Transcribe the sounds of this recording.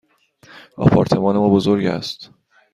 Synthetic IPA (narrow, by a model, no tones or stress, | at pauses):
ʔɒ̰ːpʰɒ̰ːɾt̪ʰe̞mɒːne̞mɒːbozoɾɟæ̰st̪